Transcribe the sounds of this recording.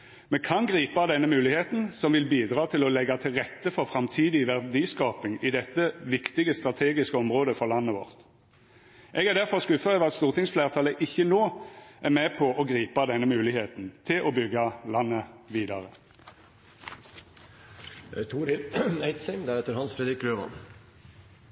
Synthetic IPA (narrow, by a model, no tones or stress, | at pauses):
mɛkʰɑnɡʁiːpɑd̪ɛnːəmʉːlɪheːt̪nsɔmʋɪlbiːd̪ʁɑːt̪ʰɪlɔlɛɡːɑt̪ʰɪlʁɛt̪ːəfɔʁfʁɑmt̪ʰiːd̪ɪʋæʁd̪iːskɑːpɪŋɪd̪ɛt̪ːəʋɪkt̪ɪɡəst̪ʁɑt̪ʰeːɡɪskəɔmʁoːd̪əfɔʁlɑnːəʋɔ̰ʁt̪ | ʔɛɡæʁd̪æʁfɔʁskʉfːɑøːʋɑt̪st̪uːʁt̪ɪŋsfleːʁt̪ʰɑːləʔɪçːənoːʔæʁmɛpʰɔʔɔɡʁiːpɑd̪ɛnːəmʉːlɪheːt̪n̩t̪ʰɪlʔɔbʏɡːɑlɑnːəʋiːd̪ɑʁə | t̪ʰuːɾɪæɪt̪sɛmd̪æɾɛt̪ːəɾhɑnsfɾɛːd̪ɾɪkɾøːʋɑ̰n